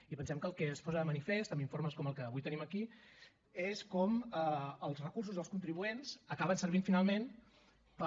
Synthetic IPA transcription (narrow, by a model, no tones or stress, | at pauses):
ipənsɛmkəːlˠkɛspɔzəðəmənifest̪əmiɱfoɾməskɔməlˠkəβujt̪əniməki | eskɔməəlˠzrəkurs̬uzðəlˠskunt̪ɾiβuenzəkaβənsəɾβ̞iɱfinalˠmen | pə